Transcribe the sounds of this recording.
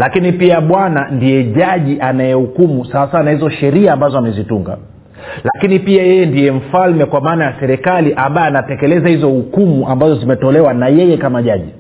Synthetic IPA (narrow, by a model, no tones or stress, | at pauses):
lakinipiaɓwanandijɛʄaʄiʔanajɛhukumusawasawanahizɔʃɛɾiaːmbazɔamɛzituŋɡa̰ | lakinipiajɛjɛndijɛm̩falmɛkwamaːnajasɛɾɛkaliʔambajɔanatɛkɛlɛzahizɔhukumuʔambazɔzimɛtɔlɛwanajɛjɛkamaʄaʄi